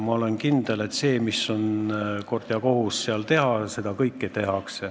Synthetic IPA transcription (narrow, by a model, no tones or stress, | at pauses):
mɑo̞le̞nkind̪̥e̞le̞t̪se̞ːmisːo̞nko̞rd̪̥jɑko̞husːeɑlt̪e̞ɦɑse̞d̪̥ɑkɤjkːet̪e̞ɦɑkse